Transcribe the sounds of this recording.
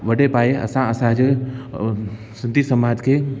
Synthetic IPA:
ʋɐɖepaːjeɐ̰sãɐsãd͡ʒ | sɪ̃nt̪isəmãːd͡ʒke

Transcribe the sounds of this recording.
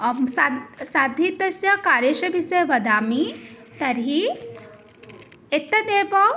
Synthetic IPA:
saːd̪ʱit̪ɐsjɐkaːɾjeʃɐbʱiseʋɐd̪aːmit̪ɐɾɦi | ɪt̪ːɐd̪eːpɐ

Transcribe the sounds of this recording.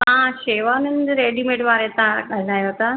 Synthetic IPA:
ɦãʃeːʋaːnɪnd̪ɾeːɖimẽʈʋaːɾet̪ãɠalaːjot̪a

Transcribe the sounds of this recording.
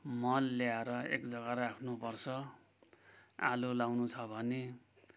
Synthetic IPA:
mʌnːjaɾʌḛkd͡zʌɡaɾakʰnupʌrt͡sʰʌ | a̰lulawnut͡sʰʌbʱʌne

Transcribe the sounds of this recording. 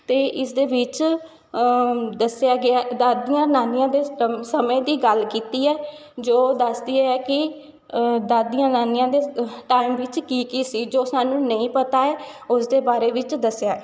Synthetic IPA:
t̪eːʔɪsd̪eːʋɪt͡ʃ | d̪əsejaːɡɪaːd̪aːd̪ijãːnaːnijãːd̪eːsəmẽːd̪iːɡəlkiːt̪iːɛːd͡ʒoːd̪əsd̪iːɛːɛːkɪ | d̪aːd̪ijãːnaːniãːd̪eːʈaːɪmʋɪt͡ʃkiːkiːsiːd͡ʒoːsaːnũːnəĩːpət̪aːɛː | ʊsd̪eːbaːɾeːʋɪt͡ʃd̪əsɪjaː

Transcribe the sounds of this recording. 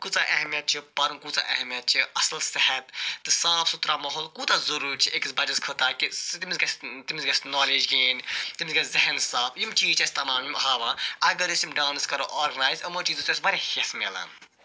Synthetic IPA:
kut͡saʔɐɦmijɐt̪̚t͡ʃʰipɐɾumkuːt͡sa̰ʔɐɦmijɐt̪̚t͡ʃʰiɐsɐlsɛhɐt̪ːɨsaːfʰsut̪ɾamɐɦoːlkuːt̪azuɾuːɾt͡ʃʰiʔekisbɐd͡ʒɐskʰut̪akit̪imizɡɐst̪imizɡɐsnɔːleːd͡ʒɡeːnt̪imzɡɐziɦɐnsaːfjimt͡ʃiːt͡ʃɐsʲt̪ɐmãːmmɦaːʋãːɐɡɐɾisimɖaːwnɨskɐɾoʔoːɾɡɐnaːjzɐmot͡ʃiːzusɐsbɐɾʲehesmela̰n

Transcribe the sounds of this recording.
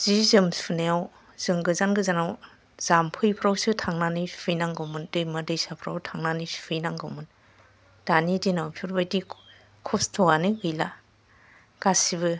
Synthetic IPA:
z̥izɯmspʰuneaw | z̥ɯŋɡɯzanɡɯzanaw | z̥ampʰɯjpʰɾawsɯtʰaŋnanɯspʰɯjnaŋɡɯmɯndɯjmadɯjsapʰɾa̰wtʰaŋnanispʰɯjnaŋɡɯwmɯn | d̥anidinawpʰuɾbajdi | kʰɔstʰɔwanɯɡɯjla | ɡ̥asiβɯ

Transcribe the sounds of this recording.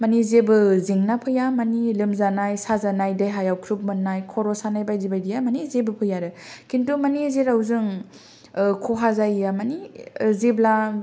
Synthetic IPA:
manizebɯzeŋnapʰɯjamanilɯmzanajsazanajdajɦajawkʰɾup̚mɯnːajkʰɔɾɔsanajbajzibajdijamanizebɯpʰɯjaɾɯkʰintumanizeɾawzɯŋ | kʰɔɦazajjamanizebla

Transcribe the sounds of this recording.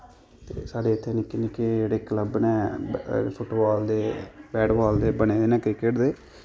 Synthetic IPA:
t̪ḛːsaːɖeːɪt̪ʰːeːnɪkːenɪkːeːd͡ʒeːɽeːkləbnɛː | pʰʊʈbaːld̪eːbɛːɖbaːld̪eːbəneːd̪eːnɛːkɾɪkeʈd̪eː

